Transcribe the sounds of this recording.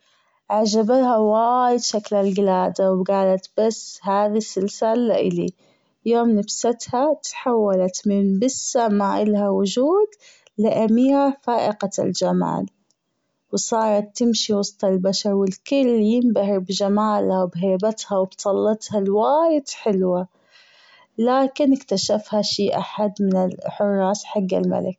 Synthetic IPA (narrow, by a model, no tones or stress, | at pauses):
ʕaʒabathawaːjɪd̪ʃaklalɡɪlaːd̪awɡaːlat̪b̥ashaːðisːɪlsalːa̰ʔɪ̰lḭ | joːmnafsat̪hat̪ħawːalat̪mɪnbɪsːamaʔɪlhawʊʒuːd̪ | lɪʔamiːʕfaːʔɪqa̰ld͡ʒama̰ːl | wsˤɑːɾˤɑt̪ːɪmʃiwɑst̪ˤɑlbaʃɑɾˤwɪlkʊlːjɪmbahɾbd͡ʒamaːlhawbɦeːbat̪hawɪbt̪ˤɑlːɑt̪halwaːjɪd̪̥ħɪlwa | laːkɪnɪkt̪aʃafhaʃiːʔa̰ħad̪mɪnɪlħʊrˤːɑːsħaɡːa̰lma̰lɪk̚